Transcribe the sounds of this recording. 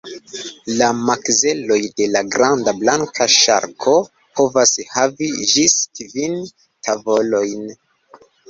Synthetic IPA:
lamakze̞lo̞jde̞laɡɾandablaŋkʰaʃa̰ɾkʰo̞ | pʰo̞vashaviʒiskvin | tʰavo̞lo̞jn

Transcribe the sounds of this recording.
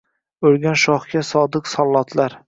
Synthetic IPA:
ɵɾɡʲanʃɒχɡʲasɒd̪ɨqsɒlˠːɒt̪ʰlaɾ

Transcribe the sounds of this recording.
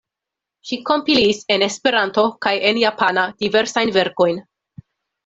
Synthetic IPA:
ʃiko̞mpilise̞ne̞spe̞ɾanto̞kaje̞njapʰanad̥ive̞ɾsajnve̞ɾko̞jn

